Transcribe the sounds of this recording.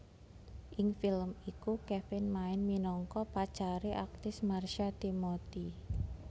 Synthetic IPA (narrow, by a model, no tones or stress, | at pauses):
ʔɪŋfɪləmikukɛfɪnmaɪnminɔŋkɔpḁt͡ʃaɾeʔak̚t̪ɪsmarʃat̪imot̪i